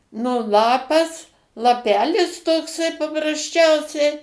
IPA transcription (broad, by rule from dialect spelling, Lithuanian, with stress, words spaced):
nʊ ˈlˠɑːpɐs lˠɐˈpʲæːlʲɪs toːkˈsɐɪ pɐprɐsʲˈt͡ʃʲɛʊsʲɛɪ